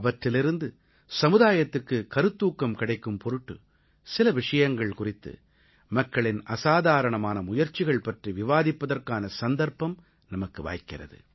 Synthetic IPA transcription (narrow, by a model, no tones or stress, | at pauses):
ɐʋɐʈrɪlɪɾɯnd̪ɯ | sɐmɯðaːjɐt̪ːɯkːɯkɐɾɯt̪ːuːkːɐmkɪɽɐɪkːɯmpɔɾɯʈːɯ̰ | sɪlɐʋɪʂɐjɐŋɡɐɭkʊrɪt̪ːɯ̰ | mɐkːɐɭɪnɐsaːðaːɾɐɳɐmaːnɐmʊjɐɾt͡ʃːɪɣɐɭpɐʈriʋɪʋaːðɪpːɐðɐrkaːnɐsɐnd̪ɐɾpɐm | nɐmɐkːɯʋa̰ːjkːɪrɐ̰ðɯ̰